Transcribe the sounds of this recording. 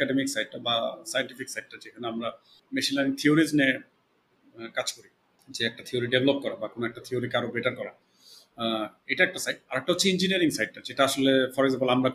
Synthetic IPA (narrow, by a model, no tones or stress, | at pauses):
kaɖemiksajɖʈabasajenʈifiksajɖ̚ʈːad͡ʑekʰanoamɾa | meʃilaniŋt̪ʰioɾid͡ʑne | kad͡ʑkoɾi | d͡ʑeɛk̚ʈat̪ʰioɾiɖevlop̚kɔɾabakonoɛk̚ʈat̪ʰioɾikaɾobeʈaɾkɔɾa | ejʈaɛk̚ʈasajɖ̚aɾɛk̚ʈaot͡ɕʰːiind͡ʑiniaɾiŋsajɖ̚ʈːad͡ʑeʈaaʃolefɔɾeɡzampolamɾa